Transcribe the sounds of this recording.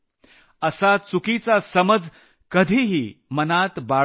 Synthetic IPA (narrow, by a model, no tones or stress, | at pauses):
əsat͡sukit͡sasəməd͡z | kəd̪ʱiːɦimənat̪ba